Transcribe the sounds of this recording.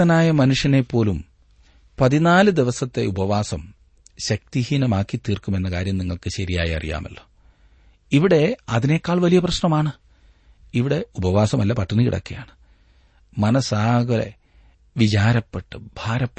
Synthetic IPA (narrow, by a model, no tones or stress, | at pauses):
ɐnaːjɐmɐnuʂjɐne̞pːo̞ːlum | pɐðinaːlɨd̪iʋɐsɐt̪ːe̞̰ubɐʋaːsɐm | ɕɐk̚t̪ihiːnɐmaːkːit̪ːiːrkume̞nːɐkaːɾjɐmniŋːɐɭkɨɕɐɾijaːjiɐ̰rḭja̰ːmɐ̰lːo̞ː | iʋiɽe̞ɐðine̞kːaːɭʋɐlijɐprɐɕnɐmaːɳɨ | iʋiɽe̞ubɐʋaːsɐmɐlːɐpɐʈʰːɐnːɨkḭɽɐ̰kːɐ̰ja̰ːɳɨ̥ | mɐnɐsaːɡɐlḛ | ʋit͡ɕaːɾɐpːeʈːɨbʱaːɾɐpː